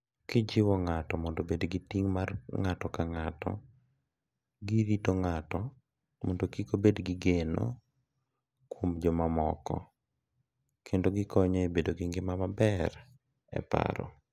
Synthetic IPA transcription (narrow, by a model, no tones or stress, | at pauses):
kɪd͡ʒɪwɔŋatɔmɔndobedɡitiŋmarŋatɔkaŋatɔ̰ | ɡiɾitoŋatɔ | mondokikobedɡɪɡeno̰ | kwomd͡ʒɔmamɔkɔ̰ | kʰendoɡɪkɔɲɔebedoɡiŋɡɪmamabɛɾ | ɛ̰pa̰ɾɔ̰